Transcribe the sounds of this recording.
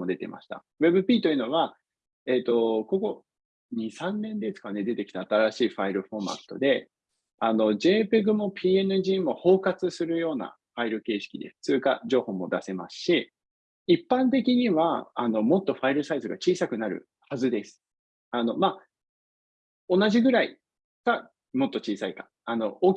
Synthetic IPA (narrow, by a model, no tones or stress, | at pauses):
o̞d̪e̞t̪e̞̰mʔa̰ɕi̥t̪a̰ | βe̞bɯ̟pʲiːt̪o̞jiɯ̟no̞βa | e̞t̪o̞ko̞ɡo̞ | ɲ̟isãnːẽ̞nd̪e̞sɨ̥kane̞d̪e̞t̪e̞kʲi̥t̪aːt̪aɾaɕiːɸaiɾɯ̟ɸo̞ma̰t̪ːo̞̰d̪e̞ | ano̞d͡ʑe̞ːpe̞ɡɯ̟mo̞pʲiːe̞nɯ̟ʑiːmo̞ho̞ːkat͡sɨsɨɾɯ̟jo̞ːna̰ | ɸaiɾɯ̟ke̞ːɕi̥kʲid̪e̞̰st͡sɨːka̰ʑo̞ːho̞mo̞̰d̪ase̞ma̰sɨ̥ɕi | ipːãnt̪̬e̞k̬ʲiɲ̟iβaa̰no̞mo̞t̪ːo̞ɸaiɾɯ̟saizɨɡat͡ɕiːsakɯ̟naɾɯ̟̰ | hazɨd̪e̞sɨ̥ | ano̞ma | o̞naʑiɡɯ̟ɾai | ka | mo̞t̪ːo̞t͡ɕiːsaikḁ | ano̞ʔo